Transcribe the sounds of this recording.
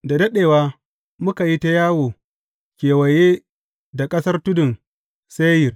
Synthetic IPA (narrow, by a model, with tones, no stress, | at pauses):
da˨dɐ˦ɗeː˨waː˦ | mʊ˦ka˨ji˦ta˦jaː˦woː˨ | kʲeː˨wɐ˨jeː˦ | da˨kʼɐ˦sɐ˦rtʊ˦dʊ˨n | se˦jɪ˨r